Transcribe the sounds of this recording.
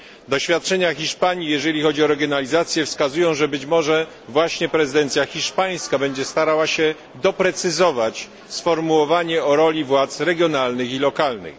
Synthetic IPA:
d̪ɔɕfʲjat̪̚t͡ʂɛɲaxʲiʂpaɲijɛʐɛlʲixɔd͡ʑiɔɾɛɡʲjɔnalʲizat̪sʲjɛfskazujɔ̃w̃ʐɛbɘt͡ɕmɔʐɛ | vwaɕɲɛpɾɛzɨd̪ɛnt̪sʲjaxʲiʂpaj̃skabɛɲd͡ʑɛst̪aɾawaɕɛ | d̪ɔpɾɛt̪sɘzɔvat͡ɕ | sfɔɾmuwɔvaɲɛɔɾɔlʲivwat̪sɾɛɡʲjɔnalnɘxilɔkalnɘ̰x

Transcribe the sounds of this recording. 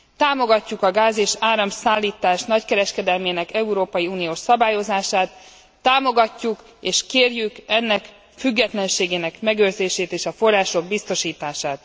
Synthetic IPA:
t̪aːmo̞ɡɒcːukɒɡaːzeːʃaːɾɒmsaːlːiːt̪aːʃnɒckɛɾɛʃkɛd̪ɛlmeːnɛkɛuɾoːpɒjiuːnijoːʃsɒbaːjo̞zaːʃaːt̪ː | aːmo̞ɡɒcːuk | eːʃkeːrjykɛnːɛk | fyɡːɛt̪lɛnʃeːɡeːnɛkmɛɡøːrzeːʃeːt̪eːʃɒfo̞rːaːʃo̞ɡ̚bist̪o̞ʃiːt̪aːʃaːt̪

